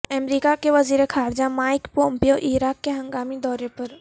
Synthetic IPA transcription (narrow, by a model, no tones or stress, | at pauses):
ɐmɾiːkakeʋɐziːɾexaːɾd͡ʒamaːɪkpoːmpijoʔiːɾaːkːeɦɐ̃ŋɡaːmid̪ɔːɾepɐɾ